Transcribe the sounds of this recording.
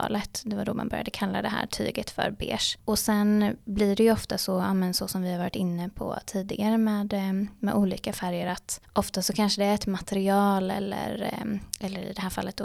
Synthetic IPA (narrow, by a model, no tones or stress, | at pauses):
lət̪d̪ɛvad̪ɔma̰nbœɾja̰d̪əkʰalːad̪ɛɦæ̰ːɾʈʰy̰ːɡət̪fœ̰ɾbḛːʂʔɔsɛnblɪɖɛjɵɔft̪asɔaːmənsɔsɔmvɪhaɾvɑːɾɪt̪ɪnːəpʰɔ̰t̪ʰiːd̪ɪɡaɾəmɛːd̪mɛ̰d̪uːliːkafæɾjəɾat̪ʔɔft̪asɔkʰanʂəd̪ɛɛt̪mat̪ʰɛɾɪɑːlɛ̰lːə̰ɾɛlːəɾɪ̰d̪ɛɦæːɾfalːət̪̚d̪o